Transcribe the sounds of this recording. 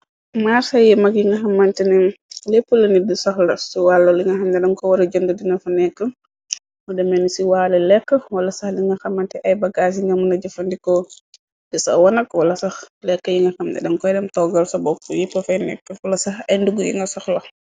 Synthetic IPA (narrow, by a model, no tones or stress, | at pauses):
maːɾsɐjɛmɐkjiŋɡɐxɐmːantɛnɛŋlɛpːəlɐnidisɐxlɐsiwalːɐliŋɡɐxɐmdɛdɐŋkɔwɐɾɐd͡ʒɔndədinɐfɐnɛkːə | mɔdɛmɛnisiwalɐlɛkːəwɐlɐsɐxliŋɡɐxɐmːantɛʔɐjbɐɡas̬iŋɡɐmunɐɟɔfɐndikɔ | disɐ̰wɐnɐkwɐlɐsɐxlɛkːəjiŋɡɐxɐmdɛ̰dɛŋkɔjdɛmtɔɡɐlsɐbɔkːujɛpːɐfɐjnɛ̰kːəwɐlɐsɐxɐjnduɡujḭŋɡɐsɐxlɐ